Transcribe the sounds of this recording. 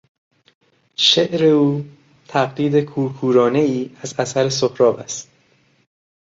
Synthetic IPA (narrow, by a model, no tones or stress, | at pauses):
ʃeʔɾeuː | t̪ʰæɣliːd̪e̞kʰuːɾkʰuːɾɒːne̞iːæzæsæɾesohɾɒːbæst̪